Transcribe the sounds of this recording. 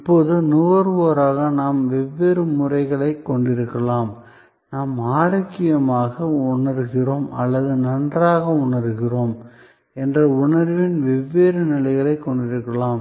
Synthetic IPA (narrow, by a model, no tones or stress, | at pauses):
ɪpːoːðɯnʊʋɐɾʋoːɾaːɣɐnaːmʋɛʋːeːɾɯmʊrɐɪɣɐɭɐɪkːɔɳɖɪɾɯkːɐɭaːm | naːmaːɾɐkːɪjɐmaːɣɐʊɳɐɾɯɣɪroːmɐ̰lːɐðɯnɐndraːɣɐʊɳɐɾɯɣɪroːm | ɛndrɐʊɳɐɾʋɪnʋɛʋːeːɾɯnɪlɐɪɣɐɭɐɪkːɔɳɖɪɾɯkːɐɭaːm